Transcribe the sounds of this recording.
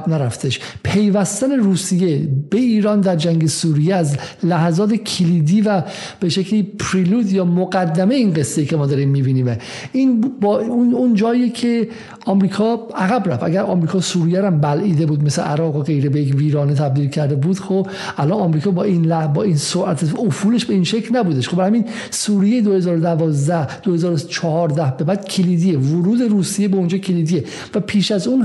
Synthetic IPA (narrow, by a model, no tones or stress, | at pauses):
bnæɾæft̪ʰeʃpʰe̞jvæst̪æne̞ɾuːsijebeiːɾɒːnd̪æɾd͡ʒæŋɡɟe̞suːɾijeæzlæhzɒːt̪ʰecʰeliːd̪iːvæ | b̥e̞ʃecʰliːpʰɾiluːd̪jɒːmoɡæd̪ːæmejeinɡe̞sːejiːcʰemɒːd̪ɒːɾimːiːbiːniːme | inbɒːunund͡ʒɒːiecʰe̞ | ʔɒmɾiːkʰɒːæɣæbɾæfæ̰ɡæɾʔɒ̰ːmɾiːkʰɒːsuːɾijæɾæmbælʔiːd̪ebuːd̪meslḛʔæɾɒːɣoɣe̞jɾebejecviːɾɒːnet̪ʰæb̚d̪iːlcʰæɾd̪ebuːd̪̥xob | ʔælɒnɒmɾiːkʰɒːbɒːinlæbɒːinsoɾʔæt̪ʰeofuːle̞ʃbe̞iːnʃecʰlnæbuːd̪eʃxobæɾhæmin | suːɾijejed̪ohe̞zɒːɾod̪ævɒːzd̪æhd̪̥ohezɒːɾot͡ʃʰɒhɒːɾd̪æhbe̞bæd̪̥cʰeliːd̪iːevoɾuːd̪e̞ɾuːsijebeond͡ʒɒːcʰeliːd̪ije | væpʰiːʃæzun